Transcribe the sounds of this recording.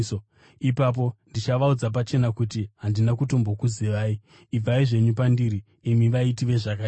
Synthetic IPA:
ipap̬o̞ndit͡ʃaʋaud͡zap̬at͡ʃe̞nakutiɦandinakuto̞mbo̞kuziʋaːiː | b͡vaiʐe̞ɲupandiɾi | imiʋaitiʋe̞ʐaka

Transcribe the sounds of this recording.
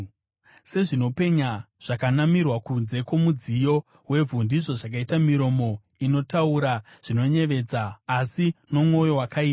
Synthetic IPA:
se̞ʐino̞pe̞ɲa | ʐ̥akanamirwakunze̞ko̞mud͡zijo̞ | we̞vʱundiʐo̞ʐak̬aitamiɾo̞mo̞ | ino̞tauɾaʐ̥ino̞ɲe̞ʋe̞d͡zaːsino̞mŋo̞jo̞wakʰaiːa

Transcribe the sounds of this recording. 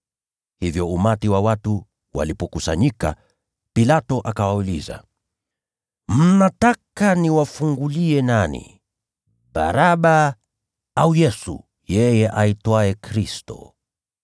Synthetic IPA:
hivjɔumatiwawatu | wa̰lipɔkusaɲika̰ | pilatɔʔakawauliza̰ | m̩natakaniwafuŋɡuliɛnanḭ | ɓa̰ɾaɓa | aujɛsṵ | jɛjɛʔaitwaɛkɾistɔ̰

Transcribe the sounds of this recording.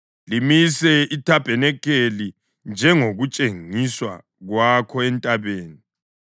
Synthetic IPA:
limisɛitʰab̥ʱɛnɛkʰeli | nd͡ʒʱɛŋoɣut͡ʃʼeŋiswa̰ | ɣwakʰɔɛntʼaβeːni

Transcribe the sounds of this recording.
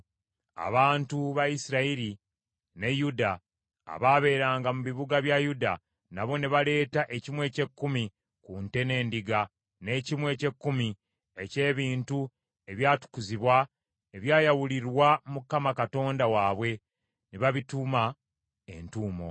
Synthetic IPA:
a̰βaːntuβaisiɾaiɾi | ne̞juda̰ː | βaːβe̞ːɾaːŋɡamuβiβuɡaβjajuda | naβo̞neβale̞ːtaʔe̞cimwe̞ːce̞kːumi | kunte̞ne̞ːndiɡa | ne̞ːcimwe̞ːce̞kːumi | e̞ce̞ːβiːntu | e̞βjaːtu̥kuziβwa | eβjaːjawuliɾwamukːamakato̞ːndawaːβwe̞ | neβaβituma | ḛntuːmo̞̰

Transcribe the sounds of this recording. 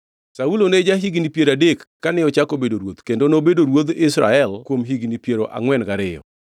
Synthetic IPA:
sauloned͡ʒaɦiɡnipjeɾadekːanɪɔt͡ʃakobedoɾwot̪kendonobedoɾwod̪ɪsɾa̰ɛlkwomɦiɡnipjeɾoʔa̰ŋwɛnɡaɾɪjɔ̰

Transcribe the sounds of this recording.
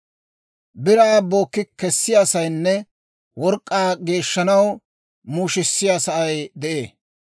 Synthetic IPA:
bɪɾaːbo̞ːkːɪkɛsːɪjaːsɐjnːɛ | wɔɾkʼːaːɡe̞ːʃːɐnɐw | muːʃɪsːɪjaːsɐʔɐjd̪ɛʔe̞ː

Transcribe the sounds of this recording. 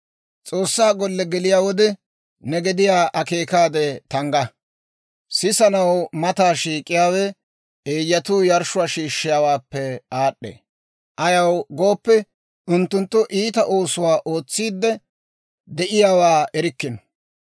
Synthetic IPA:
t͡sʼo̞ːsːaːɡɔlːɛɡɛlɪjaːwɔd̪ɛ | nɛɡɛd̪ɪjaːʔɐke̞ːkaːd̪ɛt̪ɐŋɡɐ | sɪsɐnɐwmɐt̪aːʃiːkʼːɪjaːwɛ | eːjːɐt̪uːjɐɾʃʊwaːʃiːʃːɪjaːwaːpːɛaːɗːḛː | ʔɐjɐwɡo̞ːpːɛ | ʊnt̪ːʊnt̪ːʊʔiːt̪ɐʔo̞ːsʊwaːʔo̞ːt͡sːiːd̪ːɛ | d̪ɛʔɪjaːwaːʔɛɾɪkːɪnɔ̥

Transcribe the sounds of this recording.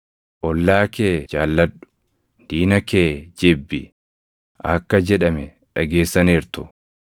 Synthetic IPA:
ʔɔlːaːkeːd͡ʒaːlːɐᶑʊ̥ | d̪̥iːnɐkeːd͡ʒɪbːɪ̰ | ʔɐkːɐd͡ʒɛᶑɐmɛ | ᶑɐɡeːsːɐneːɾt̪ʊ

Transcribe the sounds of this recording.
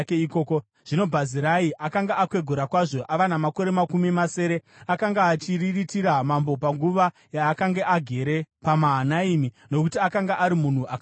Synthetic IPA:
keikoːko | ʐ̥ino̞bʱaziɾaiʔakaŋɡaʔakwe̞ɡʱoɾakwaʐo̞ʔaʋanamako̞ɾe̞makumimase̞ːɾe̞ | akaŋɡaːt͡ʃiriritiɾamambo̞paŋɡuʋa | jaːkaŋɡeʔaɡʱe̞ɾe̞pamaɦanaimi | no̞kutiakaŋɡaʔaɾimun̤uʔak

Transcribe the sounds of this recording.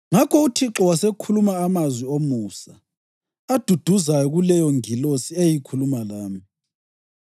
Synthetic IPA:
ŋakʰɔutʰiǁɔwasekʰulumaːmazwiomusa | ad̥ʱud̥ʱuzajɔɣulɛjɔŋilosiejikʰulumalaːmi

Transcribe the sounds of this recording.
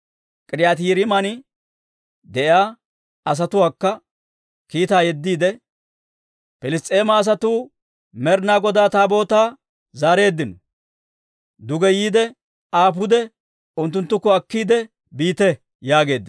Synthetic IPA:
kʼɪɾɪjaːt̪̬iːɾɪmɐnɪ | d̪ɛʔjaː | ɐs̬ɐt̪ʊwaːkːɐ | kiːt̪aːjɛd̪ːiːd̪ɛ | pɛlɪst̪ʼːe̞ːmɐːs̬ɐt̪uː | mɛɾnaːɡɔd̪aːt̪aːbo̞ːt̪aː | zaːɾe̞ːd̪ːɪnɔ | d̪ʊɡɛjiːd̪ɛ | aːp̬ʊd̪ɛ | ʊnt̪̬ːʊnt̪ːʊkːɔɐkːiːd̪ɛ | biːt̪ɛ | jaːɡe̞ːd̪ːɪ

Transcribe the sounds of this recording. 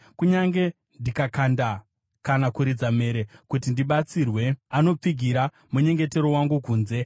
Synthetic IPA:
kuɲaŋɡe̞ | ndikakanda | kanakuɾid͡zame̞ɾe̞kutindiɓat͡sirwe̞ano̞p͡fiɡʱiɾa | muɲe̞ŋɡe̞te̞ɾo̞waŋɡukuːnze̞

